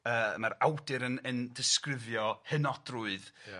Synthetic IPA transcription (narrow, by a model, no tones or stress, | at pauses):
əːmaɾawdɨɾənəndɪskrɪvjɔhənɔd̥ruɨð